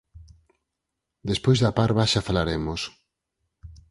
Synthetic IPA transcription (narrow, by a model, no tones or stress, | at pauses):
d̪espojzðapaɾβaʃafalaɾemos